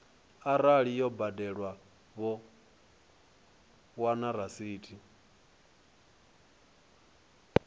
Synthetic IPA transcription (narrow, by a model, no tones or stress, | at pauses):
aɾaɺijɔbadɛɺwa | βɔ | wanaɾasiːtʰʼi